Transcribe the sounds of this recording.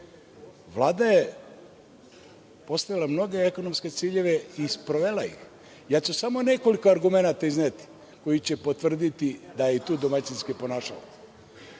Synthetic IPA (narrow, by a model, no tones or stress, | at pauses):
ʋlˠaːd̪aje | po̞st̪aʋilˠamno̞ɡe̞eko̞nomske̞t̪siːʎe̞ʋe̞ispɾoʋelajḭx | jaːt͡ɕusamo̞ne̞ko̞liko̞aɾɡume̞nat̪aiznet̪i̥ | ko̞jit͡ɕepot̪vr̩d̪it̪id̪ajeit̪uːd̪omat͡ʃinskipo̞naːʃa̰la